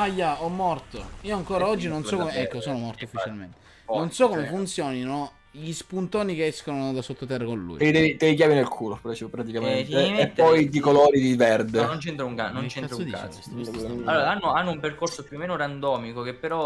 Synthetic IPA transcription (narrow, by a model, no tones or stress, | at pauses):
ajaɔmːɔrt̪oiːoaŋkoːɾaɔd͡ʒːinonsɔkːomeɛkːosoːnomɔrt̪oufːit͡ʃalmḛnt̪e̥ | nonsɔkːomefunt̪sjɔːnino | ʎispunt̪oːnikeɛskonod̪asot̪ːot̪ɛrːakonlṵj̰̪id̪ɛvit̪eik̬jaːminelkʰuːlopɾat͡ʃpɾat̪̬ikament̪eːp̪ːɔjd̪ikoloːɾid̪ivɛrd̪enont͡ʃɛnt̪ɾauŋkanont͡ʃɛnt̪ɾad̪ka̰ | alːoːɾaanːoanːoumperkorsopjuomːeːnoɾand̪ɔːmikokepːeɾɔ